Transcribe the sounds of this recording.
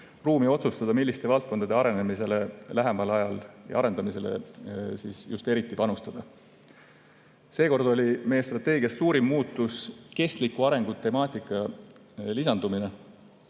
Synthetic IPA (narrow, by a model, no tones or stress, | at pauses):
ruːmio̞t̪sust̪ɑd̪ɑmilːist̪e̞vɑlt̪̚ko̞nd̪ɑd̪e̞ɑɾe̞nemise̞le̞læɦe̞mɑlɑjɑljɑ̰ɑɾe̞nd̪̥ɑmise̞lḛsiːsjust̪e̞ɾit̪ːˑipɑnust̪ɑd̪̥ɑ | se̞ːko̞rd̪̥o̞lʲime̞jːe̞st̪rɑt̪ːˑe̞ːɡiɑsːuːɾimːuːt̪ːˑuske̞st̪likːuɑɾe̞ŋɡ̥ut̪ːe̞mɑːt̪ˑikˑːɑ | lisɑnd̪̥umine̞